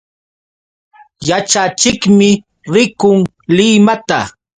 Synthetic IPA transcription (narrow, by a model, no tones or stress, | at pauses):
jat͡ʃat͡ʃɪkmɪ | ɾɪkʊŋ | lɪmat̪a